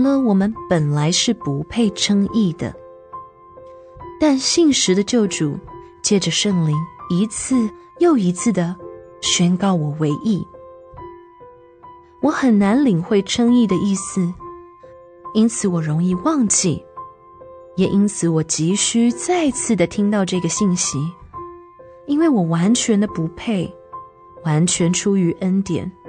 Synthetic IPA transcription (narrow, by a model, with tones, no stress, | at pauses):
lə˧wɔ˨˩mə˦npə˨˩nla˧˥ɪʂɻ̩˥˩pu˧˥pʰe˥˩ɪʈ͡ʂʰɤ˥ŋi˥˩d̪ə̰˩ | t̪a˥˧nɕi˥˩nʂɻ̩˧˥d̪ə˧t͡ɕjo˥˩ʊʈ͡ʂu˨˩ | t͡ɕjɛ˥˩ʈ͡ʂə˨˩ʂɤ˥˩ŋli˧˥ŋi˧˥t͡s̩ʰ˥˧ | jo˥˩ʊi˧˥t͡sʰɹ̩˥˩d̪ə˩ɕɛ˥nkɑ˥˩ʊwɔ˨˩we˧˥ɪʔi˥˩ | wɔ˧˥xə˨˩nna˧˥nli˨˩ŋxwe˥˩ɪʈ͡ʂʰɤ˥ŋi˥˩d̪ə˩ʔi˥˩sɹ̩˨˩ | i˥nt͡sʰɹ̩˨˩˦wɔ˨˩ɻo˧˥ŋi˥˧wɑ˥˧ŋt͡ɕi˥˩ | jɛ˨˩ʔi˥nt͡sʰɹ̩˨˧˥wɔ˨˩t͡ɕi˧˥ɕy˥t͡sa˥˧ɪt͡sʰɹ̩˥˩d̪ə˩t̪ʰi˥ŋt̪ɑ˥˧ʊʈ͡ʂɤ˥˩ɡə˩ɕi˥˩nɕi˧˥ | i˥nwe˥˩ɪwɔ˨˩wa˧˥nt͡ɕʰɥɛ˧˥nd̪ə˧pu˧˥pʰe˥˩ɪ | wa˧˥nt͡ɕʰɥɛ˧˥nʈ͡ʂʰu˥y˧˥ʔə˥nt̪jɛ̰˨˩˦n